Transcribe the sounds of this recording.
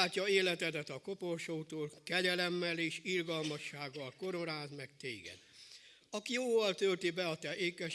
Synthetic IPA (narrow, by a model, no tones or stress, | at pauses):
aːcːɒeːlɛt̪ɛd̪ɛt̪ɒko̞po̞rʃoːt̪oːlkɛɟɛlɛmːɛleːʃirɡɒlmɒʃːaːɡːɒlko̞ɾoɾaːzmɛk̚t̪ḛːɡɛ̰d̪̥ | ɒkijoːvɒlt̪ølt̪ibɛɒt̪ɛʔeːkɛ